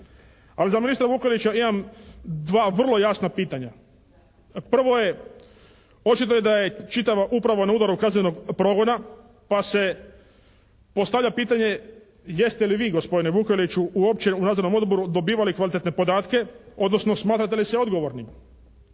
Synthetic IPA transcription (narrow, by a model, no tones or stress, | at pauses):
alizaminist̪ɾaʋuːkelit͡ɕaimamd̪ʋaːʋr̩lˠo̞jasnapiːt̪aɲa | pr̩ʋo̞je̞ | o̞t͡ʃit̪ojed̪aje̞t͡ʃit̪aʋaʔupɾaʋonauːd̪aɾukazɲe̞noɡpɾo̞ɡo̞na | pase̞ | po̞st̪aʋʎʲapiːt̪aɲe̞ | je̞st̪eliʋiːɡo̞spo̞d̪ineʋukelit͡ʃuuop̚t͡ɕeunad̪zoɾno̞mo̞d̪bo̞ɾud̪o̞biːʋalikʋalit̪et̪nepo̞d̪aːt̪ke̞o̞d̪no̞snosmaːt̪ɾat̪elisɛo̞d̪ɡo̞ʋoɾnim